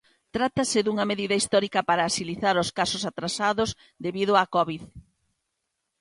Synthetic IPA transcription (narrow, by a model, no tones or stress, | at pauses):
t̪ɾat̪ɐsɪðuŋɐmeðiðɐist̪ɔɾikɐpaɾɐːsiliθaɾoskasosat̪ɾasaðoz | d̪eβiðʊakɔβið